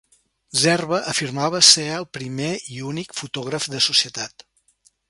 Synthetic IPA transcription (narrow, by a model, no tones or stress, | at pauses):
zɛrβəʔəfirmaβəseəlˠpɾimeiunikfut̪ɔɣ̞ɾəfd̪əsusiət̪at̪